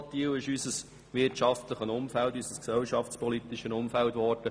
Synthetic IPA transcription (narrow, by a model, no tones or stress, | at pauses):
t̪iːwɪʃysəs | ʋɪtʃɑftləχənʊmfæltysəsksɛlʃɑft͡spɔlit̪ɪʃənʊmfæltʋɔrd̥ə